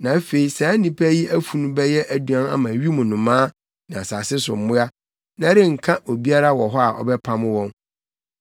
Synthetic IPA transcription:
nã˨æ˦fe˨i˨sa˨˦nĩ˨pʰæ˦ji˦æ˦fu˨nũ˦bɛ˦jɛ˦ʔæ˨du˨ã˦na̰˦mã˨ɥi˦mũ˨nʊ̃˨mãː˦ | nã˨a˨saː˨sɪ˦sʊ̰˨m̩˨mʊ̃˦a˦ | nã˦ɾɪ̃˦ŋ̩˨kʰã˦o˨bi˦a˦ɾa˦wɔ˨ɦɔ˦a˨ʔɔ̰˨bɛ˦pʰã˦m˦wɔ̃˦n

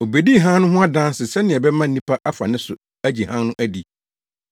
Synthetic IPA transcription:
o˨be˨di˦˨ɦã˦nʊ̃˦ɦʊ̃˦a˦dã˦n˦sɪ˨sɛ˦nɪ̃˨ɛ˨bɛ˦mã˦n̩˨˦nĩ˦pʰa˦ʔa˦fa˨nɪ̃˦sʊ˨ | æ˦d͡ʑi˨hã˦nʊ̃˦ʔæ˦di˨

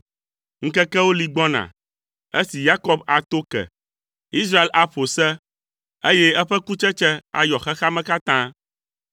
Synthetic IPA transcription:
ŋ̩˦kɛ˦kɛ˦wo˦li˨ɡ͡bɔ˦nã̰˨ | e˦si˨ja˦kɔ˦ba˨t̪o˦kɛ̰˨ | i˦s̬ɾa˦e˦lʔa˨ɸo˨sɛ˦ | e˦jɛ˦ɛ˦ɸɛ˦ku˦t͡ʃɛ˦t͡ʃɛ˦a̰˨jɔ˨xɛ˦xa˦mɛ̃˦ka˦t̪ã˦

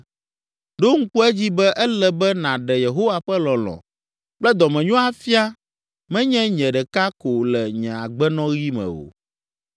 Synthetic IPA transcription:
ɖo˦ŋ̩˦ku˦ɛ˦d͡ʑi˦bɛ˦ʔɛ˦lɛ˦bɛ˦nã˨ɖɛ˨je˨ɦo˦wa˨ɸɛ˦lɔ̃˨lɔ̰̃˨ | k͡plɛ˦d̪ɔ˨mɛ̃˨ɲɔ̃˦a˦fi˦a˦ | mɛ̃˦ɲɛ̃˦ɲɛ̃˨ɖɛ˨ka˦ko˨lɛ˨ɲɛ̃˨a˨ɡ͡bɛ˦nɔ̃˦ɣi˦mɛ̰̃˨o̰˨

